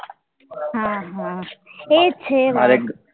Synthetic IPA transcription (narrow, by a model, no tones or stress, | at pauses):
ɦãɦãet͡ʃʰeʋaɾeɡ